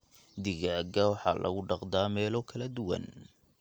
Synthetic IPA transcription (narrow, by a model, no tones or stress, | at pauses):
d̪ɪɣaːɡɐwɑħɑ̰ːlʔɐ̰ɣʊɖɑqd̪aːmɛːlɔːkʰɐlɐd̪ʊwɐ̰n